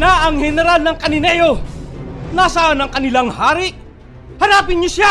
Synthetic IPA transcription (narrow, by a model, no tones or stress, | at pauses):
naʔɐŋhɛnɛɾalnɐŋkɐnɪnɛjo | naːsaanɐŋkɐnɪlaŋhaːɾɪʔ | hɐnaːpɪnɲʊsa